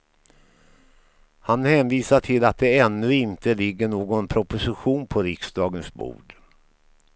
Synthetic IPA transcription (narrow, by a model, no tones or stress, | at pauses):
hanhɛːnviːsaʈʰɪlat̪̚d̪ɛɛnːɵɪnt̪əlɪɡːəɳoːɡɔnpʰɾʊpʊsɪɧuːnpʰɔɾɪksd̪ɑːɡənsbṵːɖ